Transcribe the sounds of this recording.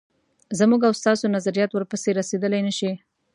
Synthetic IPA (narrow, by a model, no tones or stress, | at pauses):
zamuɡawst̪ɑsonazaɾijɑt̪wəɾpəseɾased̪əlajnəʃi